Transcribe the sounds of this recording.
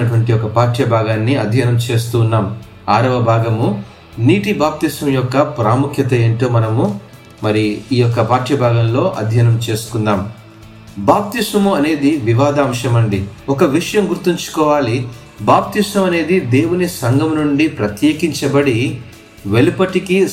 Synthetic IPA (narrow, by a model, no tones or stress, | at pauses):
ɐʈuʋɐɳʈijɔkɐpaːʈɐbʱaːɡaːnːiɐd̪ʱjɐnɐmt͡ʃe̞ːst̪uːnːaːm | aːɾɐʋɐbʱaːɡɐmu | niːʈibaːp̚t̪isɐmjɔkːɐpɾaːmukʰjɐt̪̬ɐeːɳʈoːmɐnɐmu | mɐɾiːjɔkːɐpaːʈt͡ʃɐbʱaːɡɐmlo̞ːʔɐ̰d̪ʱjɐnɐmt͡ʃe̞ːsu̥kund̪aːm | baːp̚t̪isɐmuɐne̞ːd̪iʋiʋaːd̪aːmʂɐmɐɳɖiɔkɐʋiʂɐjɐmɡuɾt̪iɲt͡ʃu̥kɔːʋaːli | baːp̚t̪ismɐmɐne̞ːd̪id̪e̞ːwunisɐŋɡʱɐmnuɳɖipɾɐt̪jeːkiɲt͡ʃɐbɐɽi | ʋe̞lipɐʈiki